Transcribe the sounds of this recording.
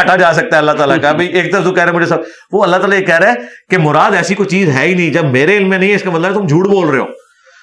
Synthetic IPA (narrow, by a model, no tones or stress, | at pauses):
ɐʈʰad͡ʒaːs̬ɐk̚t̪aɦɛɐlːat̪aːlakabʱɐieːk̚d̪əɾəft̪ũːkɛɦɾeɛːmʊd͡ʒʱesɐb | ʋoɐlːat̪aːlajekɛɦɾaɛːkemʊɾaːd̪ɛːsikoːit͡ʃiːzɦɛːinɐɦĩd͡ʒɐbmeːɾeɪlmːẽnɐɦĩɪskamɐt̪ləbet̪ʊmd͡ʒʱuːʈboːlɾeeo̰ː